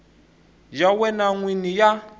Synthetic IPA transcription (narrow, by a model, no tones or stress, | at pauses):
d͡ʒawɛnaŋwinija